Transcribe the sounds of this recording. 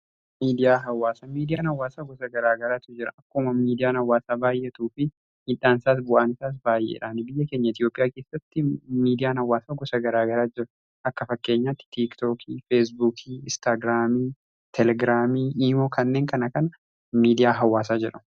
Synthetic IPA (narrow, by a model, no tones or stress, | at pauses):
miːd̪ɪjaːɦɐwːaːsamiːd̪ɪjaːnhɐwːaːsaːɡɔsɐɡɐɾaːɡɐɾaːt̪ʊd͡ʒɪɾɐ̰ʔɐkːʊmɐmiːd̪ɪjaːnhɐwːaːsaːbaːjʔɛt̪uːfɪ | hɪᶑaːnɪsaːs̬bʊʔaːnɪsaːs̬baːjːḛːᶑaːnɪbɪjːɐke̞ːɲːɐɪt̪jo̞ːpʼɪjaːkeːsːɐt̪ːɪmiːd̪ɪjaːnhɐwːaːsaːɡɔsɐɡɐɾaːɡɐɾaːd͡ʒɪɾɐ | ʔɐkːɐfɐkːe̞ːɲːaːt̪ːɪ̥t̪ʰikt̪oːkʰiːfeːs̬buːkʰiːɪst̪aːɡɾaːmiː | t̪ʰɛlɛɡɾaːmiːʔiːmoːkʰɐnːeːŋkʰɐnɐkɐnɐ | miːd̪ɪjaːɦɐwːaːs̬aːd͡ʒɛᶑɐ̥